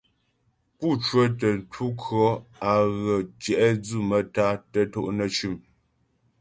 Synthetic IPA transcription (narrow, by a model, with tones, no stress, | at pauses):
pu˦˨t͡ʃwə˦tə˨n˨tʰu˦kʰɰɔ˦a˨ɣə˨t͡ʃjɛ˨ʔɛ˦d͡zʉ˦˨mə˨ta˦tə˦to˦ʔnə˨t͡ʃʉ˨m